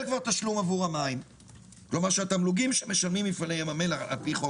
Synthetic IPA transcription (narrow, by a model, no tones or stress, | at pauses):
lkvaʁt̪aʃlumavuʁamaim | klo̞maʁʃeat̪amluɡimʃeme̞ʃalmimifalejemamelaa̰lpiχo